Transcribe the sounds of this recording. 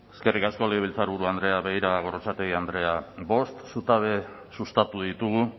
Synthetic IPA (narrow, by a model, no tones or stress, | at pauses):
eske̞rikasko̞leiβilt͡saɾβuɾuand̪ɾe̞aβe̞ɣiɾaɣ̞o̞ɾot͡sat̪eɣiand̪ɾe̞aβo̞st̪sut̪aβe̞ | sust̪at̪uðit̪uɣ̞u